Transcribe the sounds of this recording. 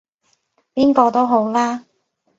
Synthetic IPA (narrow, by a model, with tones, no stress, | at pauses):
piː˥nkɔː˧t̪o˥wɦo˨˥wlaː˥